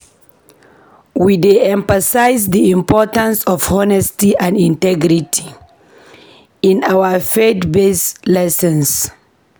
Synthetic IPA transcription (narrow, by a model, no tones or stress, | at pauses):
wideɛ̃ɱfasajzdiĩmpɔtãnsɔfhɔnɛstiʔãndĩntɛɡɾitʰi̥ | ĩnawəfetbeslɛsɛ̃ns